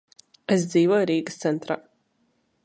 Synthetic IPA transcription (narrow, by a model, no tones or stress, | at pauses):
ɛs̬d̪ziːvɔɾiːɡɨst̪sɛnt̪ɾa̰